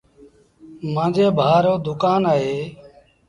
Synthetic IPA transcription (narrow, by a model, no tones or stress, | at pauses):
mãːd͡ʒeːbʱaːɾoːd̪ʊkaːnaːɦeː